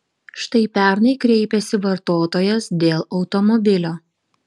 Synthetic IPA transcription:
ʃt̪ɐɪpʲæˑɾnɐɪkɾʲɛɪpʲɛsʲɪʋɐɾt̪oːt̪oːjɛsd̪ʲeːlˠɒʊt̪ɔmɔbʲɪlʲoː

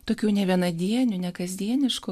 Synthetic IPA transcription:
t̪oːkʲuːnʲɛʋʲiɛnɐd̪ʲiɛnʲʊnʲɛkɐzʲd̪ʲiɛnʲɪʃkʊ

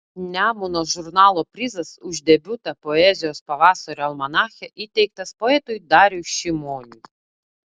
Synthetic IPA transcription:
nʲamunɔʒurnɑlˠɔpɾʲizɐsuʒʲd̪ʲɛbʲut̪ɐpɔɛzʲiɔspɐʋasɔɾʲɐlˠmɐnaxʲɛʔit̪ʲɛjkt̪ɐspɔɛt̪ʊjd̪ɑɾʲuʃimɔnʲi

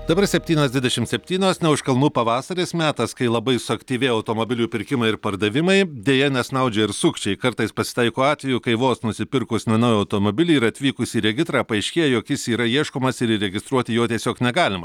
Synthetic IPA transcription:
d̪ɐbɐɾsʲɛpʲt̪ʲiːnʲoːsd̪ʋʲɪd̪ʲɛʃʲɪmt̪sʲɛpʲt̪ʲiːnʲoːsnʲɛʊʃkɐlˠmuːpɐʋɑːsɐɾʲesmʲæːt̪ɐskɐɪlˠɐbɐɪsʊɐkʲt̪ʲiːʋʲeɪjɐʊt̪oːmoːbʲɪlʲuːpʲɪɾʲkʲɪmɐɪɪɾpɐɾd̪ɐʋʲɪmɐɪd̪ʲeːjɛnʲɛsnɐʊd͡ʒʲɛɪɾsʊkʃʲt͡ʃʲɛɪkɐɾt̪ɐɪspɐsʲɪ̥t̪ɐɪkoːɑːt̪ʲʋʲɛjuːkɐɪʋoːsnʊsʲɪpʲɪɾkʊsʲnʲɛnɐːjɐʊt̪oːmoːbʲɪlʲiːɪɾɐt̪ʲʋʲiːkʊsʲiːɾʲɛɡʲɪsɾɑːpɐɐɪʃʲkʲeːjɛjoːkjɪsiːɾɐiɛʃkoːmɐsɪɾɪɾʲɛɡʲɪst̪ɾuɔt̪ʲɪjoːt̪ʲiɛsʲoːknʲɛɡɑːlʲɪmɐ

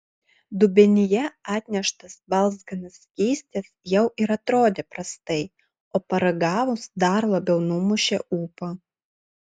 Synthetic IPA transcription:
d̪ʊbʲɛnʲɪjɛɑːt̪ʲnʲɛʃt̪ɐsbɐlˠzɡɐnɐsʲkʲiːsʲt̪ʲeːsjɛʊʔɪɾɐt̪ɾoːd̪ʲeːpɾɐst̪ɐɪ | oːpɐɾɐɡɑːʋʊsd̪ɐɾlˠɐbʲɛʊnʊmʊʃʲeuːpɐ

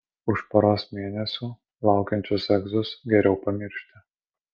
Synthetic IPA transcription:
ʊʃpɐɾoːsmʲeːnʲɛsʲuː | lˠɑˑʊkʲɛnʲt͡ʃʲʊsɛɡzʊsɡʲɛɾʲɛʊpɐmʲɪɾʲʃʲt̪ʲɪ

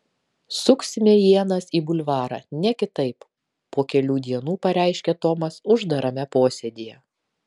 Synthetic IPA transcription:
sʊksʲmʲeːjiɛnɐsiːbʊlʲʋɑːɾɑ̰ːnʲɛkʲɪt̪ɐɪp | poːkʲɛlʲuːd̪ʲiɛnuːpɐɾʲæˑɪʃʲkʲɛt̪ɔmɐsʊʒd̪ɐɾɐmʲɛpoːsʲɛd̪ʲijɛ

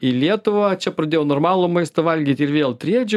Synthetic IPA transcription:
ilʲiɛt̪ʊʋɐt͡ʃʲɛpɾɐd̪ʲeːjoːnoːrmɑːlˠuːmɐɪst̪ɐʋɐlʲɡʲiːt̪ʲɪɾʋʲeːlˠt̪ʲɾʲiɛd͡ʒʲʊ

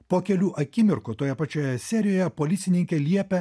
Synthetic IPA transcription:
poːkʲɛlʲuːʔɐkʲɪmʲɪɾkoːt̪oːjɛpɐt͡ʃʲoːjɛsʲɛːɾʲɪjoːjɛpoːlʲɪt̪sʲɪnʲɪŋʲkʲelʲiɛpʲɛ

